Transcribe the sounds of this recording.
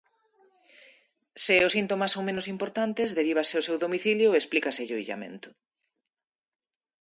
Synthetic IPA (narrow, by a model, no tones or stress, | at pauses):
seʊsint̪omasõŋmẽnosimpoɾt̪ant̪ezðeɾiβ̞aseosewðomiθiljoesplikaseʎoiʎa̰mḛ̃nt̪ʊ̥